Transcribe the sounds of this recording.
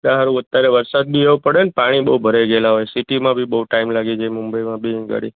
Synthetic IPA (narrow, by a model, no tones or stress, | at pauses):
d̪aɦaɾũət̪jaɾeʋəɾsad̪̚bʱieʋupəɽenepaɽ̃ibəɦubʱəɾeɡelaɦojsiʈimãbʱibəɦuʈaimlaɡid͡ʒamʊmbəjmãbʱiɡə̰ɽḭ